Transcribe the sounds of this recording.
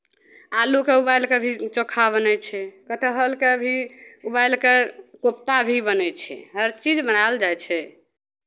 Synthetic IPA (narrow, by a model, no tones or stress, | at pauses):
alukeubajlkebʱit͡ʃokʰːabənɛt͡ʃʰɛkət̪əɦəlkebʱiubajlkekop̚t̪abʱibənɛt͡ʃʰɛ̰ɦəɾt͡ʃid͡ʒbənald͡ʒajt͡ʃʰɛ